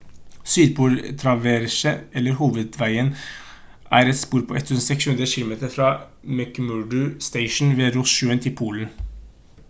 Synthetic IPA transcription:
syːd̪̚buːɾt̪ʰɾɑʋeːɾʃəɛlːəɾhuːʋəd̪ʋæɪən | ʔæːɾɛt̪spuːɾpʰɔɛt̪ʰːʉːsn̩sɛkshʉnd̪ɾəçɪlʊmeːt̪əɾfɾɑː | mɛkmʉɖʉst̪ɛɪʃn̩ʋeːɾʊsʃʉːənt̪ʰɪlpʰuːln̩

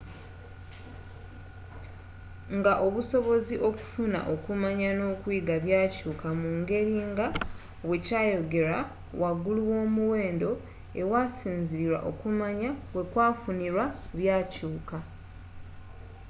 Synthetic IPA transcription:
ŋɡaʔo̞βuso̞βo̞ziʔo̞ku̥funa̰ʔo̞kumaɲano̞ːkwiːɡaβjaːcuːkamuŋɡe̞ɾiːŋɡa | βwe̞caːjo̞ɡe̞ɾa | waɡuluwo̞ːmuwe̞ːndo̞ | ewasiːnziɾiɾwa̰ʔo̞̰kumaɲaβwe̞kwaːfuniɾwaβjaːcuːka

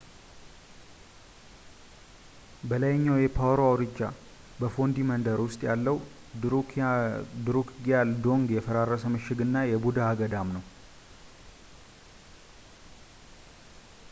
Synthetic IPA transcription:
bəlajɲːawjɛpʰawɾoawɾɨd͡ʒːa | bəfo̞nd̪imənd̪əɾwʊst̪ʼjalːəw | d̪ɾukɡiald̪o̞ŋɡjɛfəɾarːəsəmɨʃɪɡɨnːajɛbud̪aːɡəd̪amnəw

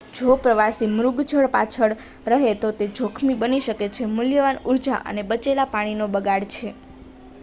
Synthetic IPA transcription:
d͡ʒʱopɾəʋasimɾuɡd͡ʒʱəɭpat͡ʃʰəɽ | ɾəɦet̪ot̪ed͡ʒʱokʰmibəniʃəket͡ʃʰemʊljəʋanuɾd͡ʒa̰ʔə̰nebət͡ʃelapaɽ̃inobəɡaɽt͡ʃʰe

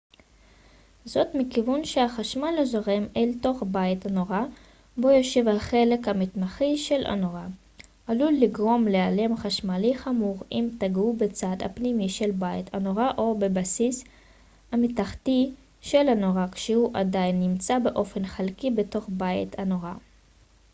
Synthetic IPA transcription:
zo̞tmikivunʃehaχaʃmalazoʁe̞melto̞χbaitanoʁa | bo̞jo̞ʃe̞vhaχe̞le̞khamitmaχiʃe̞lʔa̰noʁa | alulːiɡʁo̞mleale̞mχaʃmaliχamuʁimtaɡubet͡sadha̰pnimiʃe̞lbaitʰanoʁaʔo̞bebasis | hamitaχti | ʃe̞lanoʁakʃehuʔadajnːimt͡sabe̞ʔo̞fe̞nχalkibe̞to̞χbaitʰanoʁa

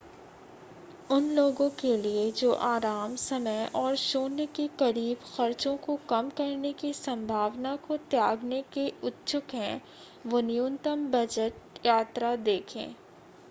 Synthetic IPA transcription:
ʊnloːɡõkelied͡ʒoːʔaːɾaːmsɐməjʔɔːɾʃoːnəkikɐɾiːbxɐɾt͡ʃõkokɐmkɐɾnekisɐ̃mbʱaːʋnakot̪jaːɡnekeʊt̪ːt͡ʃʊkɦɛ̰̃ | ʋonɪjunt̪əmbɐd͡ʒəʈjaːt̪ɾad̪eːkʰḛ̃ː

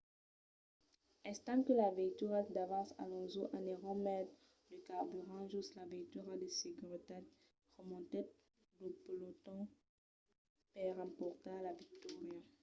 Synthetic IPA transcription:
ɛ̃st̪amkəlavɛkt̪yʁatd̪avɑ̃sa̰lɔ̃zoʔãnɛʁɔmɛd̪ | dəkaʁbyʁɑ̃ʒuslavikt̪yʁad̪eseɡyʁit̪ad | ʁəmɔ̃t̪e | loplot̪ɔ̃ | pɛʁɑ̃pɔʁt̪alavik̚t̪ɔʁja

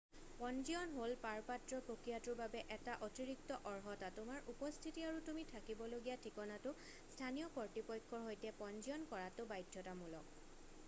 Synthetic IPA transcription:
pɔnziɔnɦolpaɹpatɹɔpokɹijatʊɹbabɛʔɛtaʔɔtiɹik̚tɔʔɔɹɦɔtatʊmaɹʔupɔstʰitiaɹutumitʰakibɔloɡijatʰikɔnatʊ | stʰanijɔkɔɹtipɔjkʰːɔɹɦojtɛpɔnziɔnkɔɹatʊbajdʱjɔtamulɔk̚

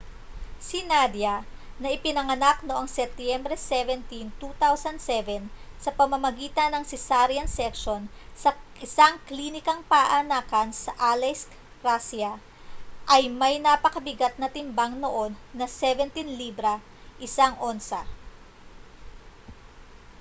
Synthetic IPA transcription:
sinad̪jɐ | nɐʔɪpɪnɐŋɐnak̚noʔoŋsɛt̪jɛmbɾɛsɛvɛnt̪int̪ut̪awsɐnd̪̚sɛvɛnsɐpɐmɐmɐɡiːt̪ɐnːɐŋsɪsaɾjɐnsɛkʃonsɐʔɪsaŋklinɪkɐŋpaʔɐnaːkɐnsɐʔalɛsk | ɾasiɐ | ʔɐjmɐjnapɐkɐbɪɡat̪̚nɐt̪ɪmbaŋnoʔo̞nːɐsɛvɛnt̪inliːbɾɐ | ʔɪsaŋʔo̞nsɐ

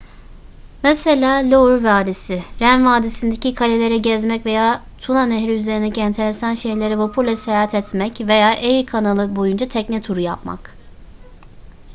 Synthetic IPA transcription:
mɛselʲaːlʲouɾvaːd̪esɪɾænvaːd̪esind̪ecikʰalʲelʲe̞ɾɛɟɛzmɛcve̞jaː | t̪ʰunanɛɦɾiyze̞ɾind̪eciɛnt̪ʰe̞ɾesanʃejlʲe̞ɾɛvopʰuɾlʲɛsejaɦat̪ʰɛt̪mɛcve̞jaːʔeɾikʰanalˠɯbo̞jund͡ʒat̪ʰɛcnɛt̪ʰuɾujapma̰k

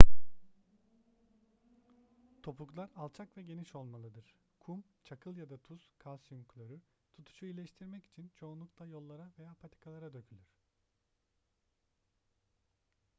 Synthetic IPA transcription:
t̪ʰo̞puklˠaɾalˠt͡ʃʰakvɛɟe̞niʃo̞lˠmalˠɯd̪ɯɾ̥ | kʰumt͡ʃʰakʰɯlˠjad̪at̪ʰuz̥kʰalˠʃiŋklʲøɾy | t̪ʰut̪ʰu̥ʃuilʲɛʃt̪ʰiɾmɛci̥t͡ʃʰint͡ʃʰo̞ːnlˠuklˠajo̞lˠːaɾave̞jaːpʰat̪ʰi̥kʰalˠaɾad̪ø̞cʰylʲyɾ̥

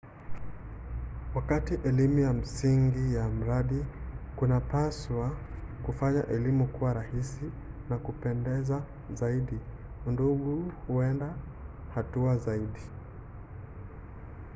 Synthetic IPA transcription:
wakatiʔɛlimujam̩siŋɡijam̩ɾaɗikunapaswakufaɲa̰ʔɛlimukuwaɾahisi | nakupɛndɛza | zaiɗi | nduɠuhuɛnda | hatuazaiɗi

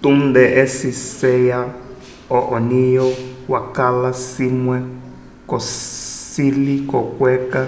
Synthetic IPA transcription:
t̪und̪ɛʔɛsisɛja | ɔʔɔnijɔwakalasimwɛ | kɔsilikɔkwɛka

